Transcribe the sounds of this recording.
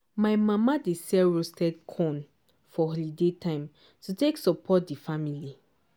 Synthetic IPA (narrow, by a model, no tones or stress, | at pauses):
maɪmãmadesɛɹostɛdkʰɔ̃n | fɔɦɔlidetãɪ̃m | tuteksɔpʰɔt̚difamili